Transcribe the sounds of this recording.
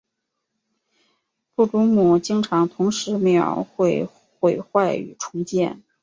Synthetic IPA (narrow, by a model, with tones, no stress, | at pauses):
pu˥˩ʈ͡ʂʊ˥ŋmu˨˩t͡ɕi˥ŋʈ͡ʂʰɑ˧˥ŋt̪ʰʊ˧˥ŋʂɻ̩˧˥me˧˥ɑ̰˨˩ʊxwe˥˩ɪ | xwe˧˨˩ɪxwa˥˩ɪy̰˨˩ʈ͡ʂʰʊ˧˥ŋt͡ɕjɛ˥˩n